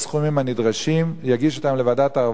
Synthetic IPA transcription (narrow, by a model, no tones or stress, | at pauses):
sχumimhanid̪ʁaʃimjaɡiʃot̪amlevad̪at̪a